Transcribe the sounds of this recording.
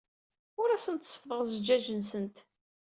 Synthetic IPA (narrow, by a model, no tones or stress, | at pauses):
ʊɾæsənt̪sˤːə̥fðˤəʁzəd͡ʒːæʒənsənt̪